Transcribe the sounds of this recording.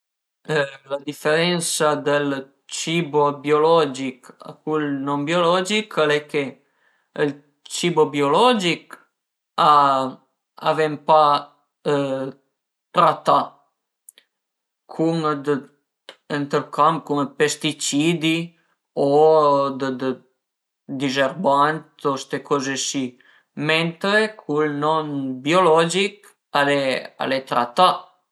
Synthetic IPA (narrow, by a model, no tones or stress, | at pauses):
lad̪ifeɾɛnsad̪əl | t͡ʃibobiolɔd͡ʒika̰kulnombjolɔd͡ʒikalɛke | əl | t͡ʃibobiolɔd͡ʒik | a | a̰vempa | t̪ɾat̪a | kʰumd̪ə | ənt̪əɾkʰamkuməpest̪it͡ʃid̪i | od̪əd̪ə | d̪izeɾbant̪ost̪ekɔzesi | ment̪ɾekʰulnɔnbiolɔd͡ʒik | alea̰let̪ɾa̰t̪a